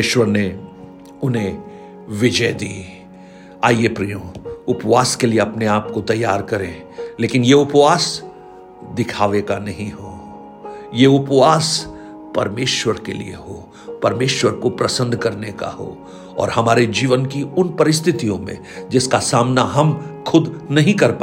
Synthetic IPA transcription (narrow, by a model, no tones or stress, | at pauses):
ʃwəɾne | ʊnɦẽ | ʋɪd͡ʒəjd̪iː | aːiepɾijõʊpʋaːskelieɐpneaːp̚kot̪ɐjːaːɾkɐɾẽː | leːkɪnjeʊpʋaːs | d̪ɪkʰaːʋekanɐɦĩɦoː | jeʊpʋaːs | pɐ̰ɾmeːʃwəɾkḛlḭḛɦoː | pɐɾmeːʃwəɾkopɾɐsə̃nd̪ʱkɐɾneka̰ɦo̰ː | ɔ̰ːɾhɐmaːɾed͡ʒiːʋənkiʊnpɐɾɪs̬t̪ʰɪt̪ijõmḛ̃ | d͡ʒɪskasaːmnaɦɐmxʊd̪nɐɦĩkɐɾpa